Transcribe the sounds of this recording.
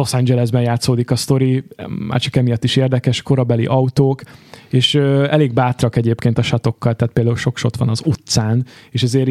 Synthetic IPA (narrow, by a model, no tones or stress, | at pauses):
losɛɲd͡ʒɛlɛzbɛnjaːt̪soːd̪ikɒst̪o̞ɾima̰ːrt͡ʃikɛmijɒt̪ːiʃeːrd̪ɛkɛʃko̞ɾɒbɛlḭʔɒut̪oːkeːʃøɛleːɡ̚baːt̪rɒkɛɟeːpkeːnt̪ɒʃɒt̪o̞kːɒlt̪ɛːt̪̚peːld̪aːulʃo̞kʃo̞t̪ʋɒnɒzut̪saːneːʃɛzeːɾ